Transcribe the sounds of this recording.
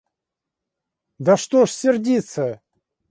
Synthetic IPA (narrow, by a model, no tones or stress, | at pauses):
d̪ɐʂt̪oʂsʲɪrdʲit̪sə